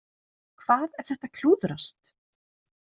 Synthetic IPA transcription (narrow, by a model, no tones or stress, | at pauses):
kʰv̥aːðɛɾ̥θɛht̪akʰl̥uːðɾast̪